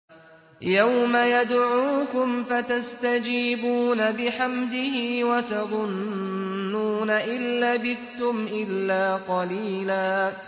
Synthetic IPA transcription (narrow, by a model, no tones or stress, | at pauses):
jawmajad̪ʕuːkʊmfat̪ast̪ad͡ʒiːbuːnabɪħamd̪ɪhɪːwat̪ɑðˤʊnː | uːnaʔɪlːabɪðt̪ʊmʔɪlːaːqɑliːlaː